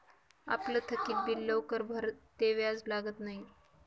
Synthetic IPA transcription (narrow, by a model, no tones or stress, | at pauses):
a̰plət̪ʰəkiːt̪̚bilːəwkəɾbʱəɾtt̪ːeʋjad͡zlaɡət̪naɦi